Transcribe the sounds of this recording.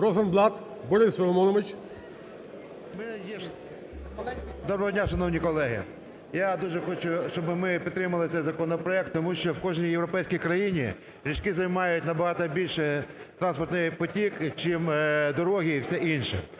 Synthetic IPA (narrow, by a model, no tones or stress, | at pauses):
ɾɔzɐnblˠɑt̪ | bɔɾɪsʋʲɪlˠɔmɔnɔʋɪt͡ʃ | mɛɛjɛ | d̪ɔbɾɐɦɔdʲnʲaʃɐnɔwnʲikɔlˠɛɦɪ̰ | jad̪uʒɛxɔt͡ʃʊʃt͡ʃɔbɪmɪpʲit̪t̪ːɾɪmɐlˠɪt̪sɛjzɐkɔnɔpɾɔɛk̚t̪ːɔmuʃt͡ʃɔwkɔʒnʲijewɾɔpɛjsʲkʲijkɾɐjinʲḭ | ɾʲit͡ʃkɪzɐjmɑjʊtʲnɐbɐɦɑt̪ɐbʲilʲʃɛt̪ɾɑnspɔrt̪nɪxpɔtʲikt͡ʃimd̪ɔɾɔɦʲiiwsɛʔinʃɛ